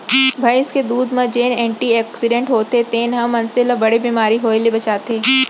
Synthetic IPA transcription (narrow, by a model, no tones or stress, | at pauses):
bʱajɪsked̪uːd̪mɐ̃d͡ʒeːnɛːɳʈiɛːksɪɖẽɳʈɦoːt̪et̪eːnɦɐmːɐnselabɐɽibiːmaːɾiɦoːilibɐt͡ʃaːt̪eː